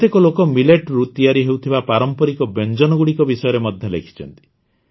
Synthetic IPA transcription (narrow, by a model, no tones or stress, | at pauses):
t̪ekɔlokɔmileʈɾut̪ijaɾiɦewt̪ʰibapaɾɔmpɔɾikɔbend͡ʒɔnɔɡuɽikɔbisɔjɔɾemɔd̪ʱjɔlḛkʰi̥t͡ʃʰɔ̰nt̪i̥